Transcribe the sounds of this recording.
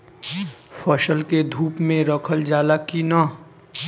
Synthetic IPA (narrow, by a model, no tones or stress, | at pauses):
fʰəʃəlked̪ʱuːpmẽɾəkʰəld͡ʒaːlakinaː